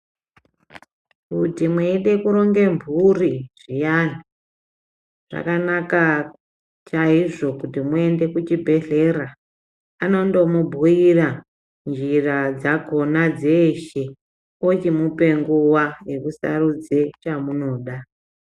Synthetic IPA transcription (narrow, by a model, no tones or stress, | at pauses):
kutimweiɗe̞kuɾo̞ŋɡe̞mbʱuriʐ̥ijani | ʐ̥a̰kanaka | t͡ʃaiʐo̞kutimue̞nde̞kut͡ʃibʱe̞ɮe̞ra | ano̞ndo̞mubʱuira | nd͡ʒirad͡zako̞nad͡zeʃe | ot͡ʃimupe̞ŋɡuwaje̞kusa̰rud͡zet͡ʃamuno̞ːɗa